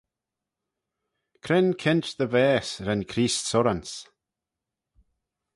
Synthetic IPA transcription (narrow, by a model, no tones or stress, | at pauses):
kʰɾɪnkʰɪntðəvɛːsɾɛnkʰɾiːstsɔɾans